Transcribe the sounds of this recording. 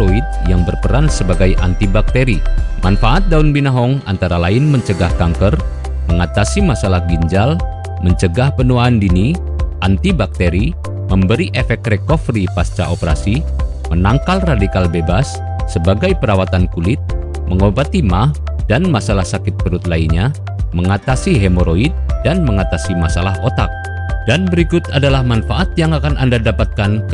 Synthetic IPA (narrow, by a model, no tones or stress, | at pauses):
oit̪̚jaŋbərpəɾansəbaɡajʔa̰nt̪ibak̚t̪eɾimanfaʔat̪̚daunbinaɦɔŋa̰nt̪aɾalaɪnməɲt͡ʃəɡahkaŋkər | məŋat̪asimasalahɡiɲd͡ʒal | məɲt͡ʃəɡahpənuaːndini | ʔant̪ibak̚t̪eɾi | məmbəɾiʔefɛk̚t̪rekɔfɾipast͡ʃa̰ʔopəɾa̰si | mənaŋkalradikalbebasː | əbaɡajpəɾawat̪ankulɪt̪̚ | məŋobat̪imah | d̥anmasalahsakɪt̪̚bəɾʊt̪̚lainɲa | məŋat̪asiɦemoɾoit̪̚danməŋat̪asimasalaɦot̪ak̚ | d̥anbəɾikʊt̪adalahmanfaʔat̪̚jaŋakanʔa̰ndadapat̪̚kan